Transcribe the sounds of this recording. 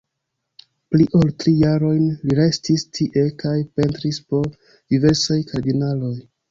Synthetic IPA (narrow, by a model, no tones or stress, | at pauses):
pliʔoltɾijaɾo̞jnliɾe̞stistʰiʔe̞kajpe̞ntɾispo̞ | d̥ive̞ɾsajkʰaɾdinalo̞j